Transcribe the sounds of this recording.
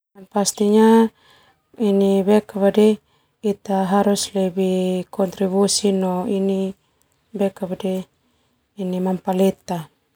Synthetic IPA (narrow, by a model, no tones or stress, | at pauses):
anpast̪iɲa | iniβɛkaβade | it̪aɦaɾuslebikʰɔnt̪ɾiβusinoini | bɛkaβadeː | nimampalet̪a